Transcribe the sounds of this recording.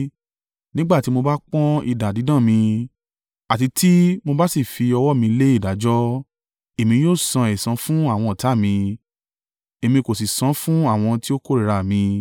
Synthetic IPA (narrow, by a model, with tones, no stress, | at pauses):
nĩ˦ɡ͡ba˦˨ti˨˦mo˧ba˦k͡pɔ̃˦ḭ˦˨da˨di˨˦dã˦˨mĩ˧ | a˨ti˧tʰi˦mo˧ba˦si˦˨fi˧ɔ˧wɔ˦˨mĩ˧le˦i˦˨da˨˦d͡ʒɔ˦ | e˨mĩ˧joː˦˨sã˧e˨sã˨˦fũ˦a˦˨w̃ɔ̃˧ɔ˨ta˨˦˨mĩ˧ | e˨mĩ˧ko˨si˨sã˨˦fũ˦a˦˨w̃ɔ̃˧ti˦o˦ko˦˨ɾi˨ɾa˨mĩ˧